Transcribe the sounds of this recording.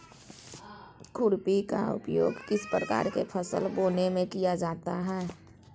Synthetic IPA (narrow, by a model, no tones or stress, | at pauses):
kʰʊɾpika̰ʊ̰pjo̰ːɡkɪspɾəka̰ːɾkepʰəsə̰lboːnemẽkijad͡ʒaːt̪aɦɛː